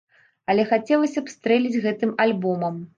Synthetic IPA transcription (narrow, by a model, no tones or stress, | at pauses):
ɐlʲɛxat͡sʲɛlˠɐsʲɐpst̪ɾɛlʲid͡zʲɣɛt̪ɨmalʲbɔmɐm